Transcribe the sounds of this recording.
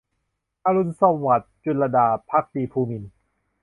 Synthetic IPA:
ʔʔaː˧ɾu˧nsɔ˧˩ŋwa˨˩t̪̚t͡ɕu˧˩la˧daː˧pʰa˦˥k̚tiː˨˧˩pʰuː˧mi˧n

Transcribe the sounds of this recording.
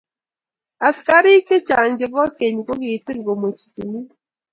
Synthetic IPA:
a˨ska˦ɾi˦te˦t͡ʃa˨n˦d͡ʒe˨bɔ˦ke˨ɲi˨ko˦ki˨ti˦ŋ˨ɡo˨mo˨t͡ʃi̥˨ti˨ni˦

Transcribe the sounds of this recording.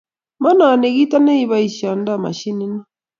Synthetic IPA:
ma˦naː˨ne˨ɣi˦ta˦ne˦i˨βa˦i˨ʃa˨n˦da˦˨ma̰˨ʃi˦ni˦na˦

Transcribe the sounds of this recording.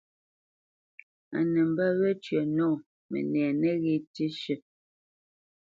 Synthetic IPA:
a̰˨nɛ˨m̩˨ba˦βɛ˦t͡ʃɥə˨nɔː˦˨ | mɛ̰˨nɛː˨nɛ˦ɣe˦˨ti˦ʃə˦˨

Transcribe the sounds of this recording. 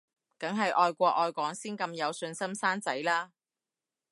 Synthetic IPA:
kɐ˨˥ŋɦɐ˨jʔɔː˧jkʷɔː˧ʔ̚ɔː˨˧jkʷɔː˨˥ŋsiː˥nkɐ˧mjɐ˨˧wsɵ˧nsɐ˥msaː˥nt͡sɐ˨˥jlaː˥

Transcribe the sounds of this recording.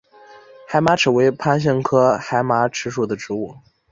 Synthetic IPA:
xa˧˥ɪma˧˥ʈ͡ʂʰɻ̩˨˩we˧˥ɪpʰa˥nɕ̬ə˥˩ŋkʰɤ˥xa˧˥ɪma˧˥ʈ͡ʂʰɻ̩˧˥ʂu˥˩d̪ə˩˦ʈ͡ʂɻ̩˧˥u˥˩

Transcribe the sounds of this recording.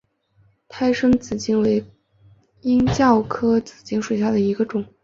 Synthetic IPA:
t̪ʰa˥ɪʂɤ˥ŋt͡sɹ̩˨˩t͡ɕi˥ŋwe˧˥ɪ | i˥ŋt͡ɕjɑ˥˩ʊkʰɤ˥t͡sɹ̩˨˩t͡ɕi˥ŋʂwe˨˩ɕja˥˩d̪ə˩i˧˥ɡə˧ʈ͡ʂʊ˨˩˦ŋ

